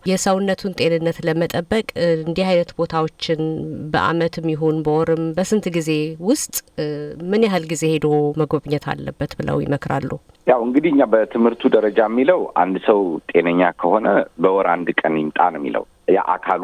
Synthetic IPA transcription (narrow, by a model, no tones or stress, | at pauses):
jɛsəwnːət̪ʰunt̪ʼe̞nɨnːət̪ləmət̪ʼəbːəkʼɨnd̪ihajnət̪bo̞t̪ʰawo̞t͡ʃːɪnbə̰ʔa̰mət̪mːɪɦonbəwɔɾɨmbəsɨnt̪ɡize̞wʊst̪ʼmɨnjaɦɨlɡize̞he̞d̪məɡoβɲːət̪ʰa̰lːəbːət̪bɨlə̰wjɪ̰məkɾa̰lːu | jawɨŋɡɨd̪ihɨɲːabət̪ʰɨmhɨɾt̪ʰud̪əɾəd͡ʒamːiləwa̰nd̪səwt̪ʼe̞nəɲːakʰəho̞nəbəwɔɾand̪kʼənjɪmt̪ʼanəmːḭlə̰w | ja̰ʔa̰kʰalu